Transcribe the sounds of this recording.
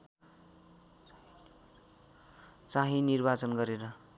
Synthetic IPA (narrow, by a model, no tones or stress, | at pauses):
t͡saɦĩnirbat͡sʌnɡʌɾeɾʌ